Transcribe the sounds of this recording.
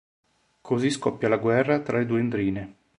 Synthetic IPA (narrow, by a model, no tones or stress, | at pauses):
kʰoziskɔpːjalaɡwɛrːat̪ɾaled̪uːend̪ɾiːne